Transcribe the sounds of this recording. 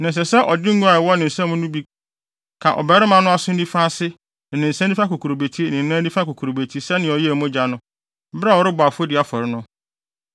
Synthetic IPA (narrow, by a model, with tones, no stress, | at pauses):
nã˨s̬ɛ˨sɛ˦ʔɔ˨dɪ˦ŋ̩˦ɡu˦a˨wɔ˦nɪ̃˨n̩˨sɛ̃˦mʊ̃˦nʊ̃˦bi˦ | kʰã˨ʔɔ̰˨bɛ˦ɾɪ˦mã˨nʊ̃˦a˦sʊ˦n̩˦nĩ˦fa˦sɪ̃˦˨ | nɪ̃˨n̩˨sɛ̃˦n˦i˦fa˦ko˨kʰu˨ɾo˨be˨tʰi˦nɪ̃˨n̩˦nã˦ĩ˦fa˦ko˨kʰu˨ɾo˨be˨tʰi˦sɛ˦nɪ̃˨ɔ˨jɛ˦˨mʊ̃˦d͡ʑa˨nʊ̃˦ | bɾa˦˨wɔ˨˦ɾɪ˦bʊ˨a˨fo˦dɪ˨a˦fɔ˨ɾɪ˦nʊ̃˦